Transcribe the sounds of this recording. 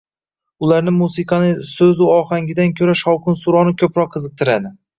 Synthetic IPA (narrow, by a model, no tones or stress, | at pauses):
ʊlˠaɾnɪmusiqʰɑnɪsɵzʊɒhaŋɡʲɪd̪ankʲʰɵɾaʃɒwkʰʊnsuɾɒnɪkʲʰɵpɾɒqʰːɨzɨq̚t̪ʰɪɾad̪ɪ